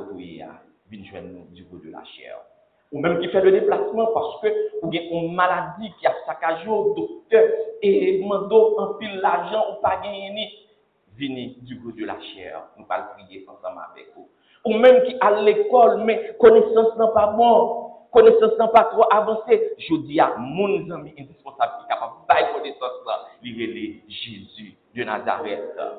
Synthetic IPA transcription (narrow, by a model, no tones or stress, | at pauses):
vujḛa̰ | vinʒwɛ̰̃nːṵ̃dyɡṵd̪øla̰ʃɛ̰ʁ | umɛ̃mkifɛlød̪eplasmɑ̃paʁskøuɡɛ̃ũmalad͡zikiapsakaʒod̪ok̚t̪œemɑ̃d̪oɐ̃pilːaʒɑ̃upaɡɛ̃jɛnĩ | vinĩdyɡod̪øla̰ʃɛ̰ʁnũpa̰lpʁijeʔɐ̰̃sʌ̰̃ma̰vɛ̰ku | umɛ̃mkiʔalekɔlmɛ̃konesɐ̃snãpabɔ̃konesɐ̃snãpat̪ʁoʔavɐ̃seʒod͡ziamũnzɐ̃mĩʔɛ̃dispɔ̃sabkikapab̚bajkonesɐ̃sːã̰liʁeleʒezy | d̪øna̰za̰ʁɛ̰t̪